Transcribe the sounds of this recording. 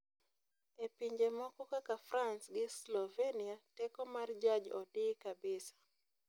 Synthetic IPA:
epiɲd͡ʒemɔkɔkakafransɡɪslɔveniatɛkɔmard͡ʒad͡ʒɔ̰dikabɪsḁ

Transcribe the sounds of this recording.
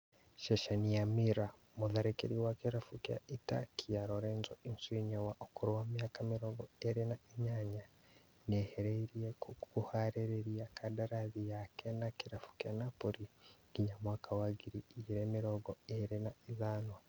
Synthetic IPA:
ʃeʃanijamiɾa | muðaɾekeɾiwakiɾafukja̰ʔita̰kʰijaɾoɾeːnzoinsuiɲawaʔokuɾwaːmjaːkamiɾoɡoeɾinaʔeɲaɲa | neheɾeɾiekukuhaɾeɾeɾiakʰadaɾaðijakenakiɾafu̥kjanapoɾiɡ̥iɲamwaːkawaɡiɾiːɟiɾeːmiɾoɡoeɾinaizanwa

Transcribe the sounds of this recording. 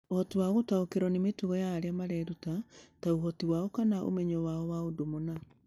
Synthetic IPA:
ohɔtiwaɣotaokeɾɔnemetuɣɔjaːɾeamaɾɛːɾutataoɦɔtiwaɔkanaʔo̰mɛɲɔwaɔwaodomona

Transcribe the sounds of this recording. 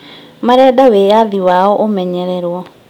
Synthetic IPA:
maɾɛːdawejaðiwaɔʔomɛɲɛɾɛɾwɔ

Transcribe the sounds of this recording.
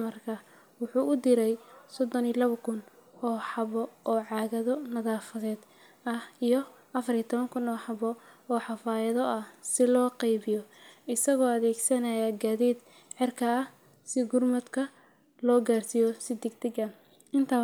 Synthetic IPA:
mɐrkʰɐ | wʊħuːʊd̪ɪɾɛjsɔd̪ɔnilɐβɐkʰʊnɔːħɑβɔʔɔːʕɑːɣɐðɔnɐðaːfɐðɛːd̪ | ɐhijɔ | ʔɐfɐrit̪ʰɔβɐŋkʰʊnɔːħɑβɔɔːħɑfaːjɐðɔʔɐhsɪlɔːqɛjβɪjɔɪsɐɣɔːɐðɛːɡsɐnɐjaɡaːðiːd̪ | ʕɪrkʰɐːh | sɪɡʊrmɐd̪kʰɐ | lɔːɡaːrsijɔsɪd̪ɪɡ̚d̪ɪɡɐ | ɪnt̪ʰa

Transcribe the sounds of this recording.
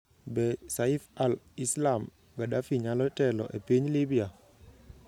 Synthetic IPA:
bɛsaifalislam | ɡadafiɲalɔtɛlɔ̰ʔepiɲlibia

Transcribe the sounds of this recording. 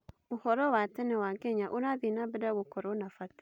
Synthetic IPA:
uhɔɾɔwatɛnɛwakeɲaʔunabinabɪdawukɔɾonafat

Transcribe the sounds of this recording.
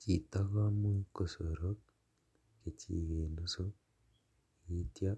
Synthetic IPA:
citaɣamwikosoɾo | kecḭɣeːnduso | ɣitja

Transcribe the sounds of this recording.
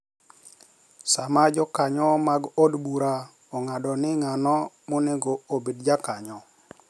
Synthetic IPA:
samad͡ʒɔkaɲɔmaɡodbuɾa | ɔŋadɔnɪŋanɔ | moneɡoobedd͡ʒakaɲɔ

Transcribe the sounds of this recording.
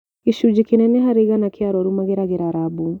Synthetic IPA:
iʃud͡ʒikenɛnɛɦaɾeɣanakeaɾɔɾumaɣeɾaɣeɾaɾabu

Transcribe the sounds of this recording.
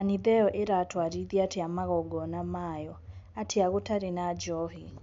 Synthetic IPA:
niðɛɔʔeɾatwaɾiðiateamaɣɔɡɔnamajɔatʰeaɣotaɾenad͡ʒɔhi

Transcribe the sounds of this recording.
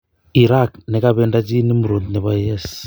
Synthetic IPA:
iɾaknekaβeːndat͡ʃinimuɾuːndneβajes

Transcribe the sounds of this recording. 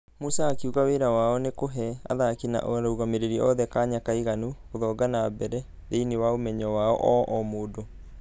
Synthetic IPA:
musaːkeuɣaweɾawaɔnekoɦɛa̰ðakina̰ʔoɾouɣameɾeɾiɔðɛkaɲakaiɣanuɣoðɔɡanabɛɾɛ | ðeinewaomɛɲɔwaɔ̰ʔɔʔɔmoːdo

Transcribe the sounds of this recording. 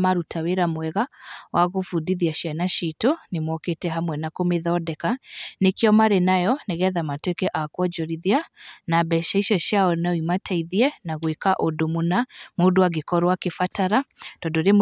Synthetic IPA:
maɾutʰaweɾamwɛɣawaɣofudiðiaʃianaʃitonemwɔketɛɦamwɛnakomeðɔdɛkanekeɔmaɾenajɔneɣɛðamatwekɛʔakwɔd͡ʒɔɾiðianabɛʃaiʃɔʃjaɔnaimatʰaiðiɛnaɣwekaʔodomonamodowaɡekɔɾowakefataɾad̥ɔdɔɾem

